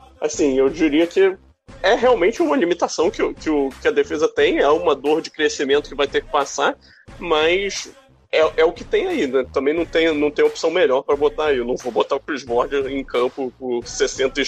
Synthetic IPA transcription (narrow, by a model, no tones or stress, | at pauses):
a̰sĩewd͡ʒiɾiɐkɪ | ɛɦeawmẽnt͡ʃɪũmɐlimit̪asɐ̃w̃kɪʊkɪʊkɪɐd̪efezɐt̪ẽj̃ɛũmɐd̪oɾd͡ʒɪkɾesimẽnt̪ʊkɪvajt̪ekɪ̥pasa | mɐs | ɛʔɛʊkɪt̪ẽj̃ainɛt̪ɐ̃mbẽj̃nɐ̃w̃t̪ẽj̃ʊnɐ̃w̃t̪ẽj̃opsɐ̃w̃meʎɔɾpɾɐbot̪aewnɐ̃w̃vobot̪aɾʊfɾizbɔɾd͡ʒɪẽj̃kɐ̃mpʊpʊɾsesẽnt̪ɐ